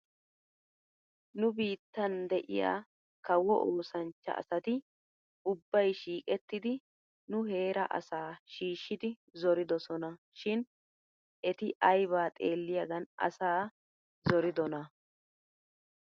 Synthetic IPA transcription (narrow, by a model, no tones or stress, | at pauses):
nʊbiːt̪ːɐnd̪ɛʔɪ̰ja̰ː | kɐwɔ̰ʔoːsɐnt͡ʃːɐ̰ʔɐ̰sɐt̪ɪ | ʊbːɐjʃiːkʼɛt̪ːɪd̪ɪ | nʊɦe̞ːɾɐ̰ʔɐ̰saːʃiːʃːɪd̪ɪ | zɔɾɪd̪ɔsɔnɐʃɪn | ʔɛt̪ɪʔɐjβaːt̪ʼe̞ːlːɪjɐɡɐnɐ̰saː | zɔɾɪd̪ɔnɐ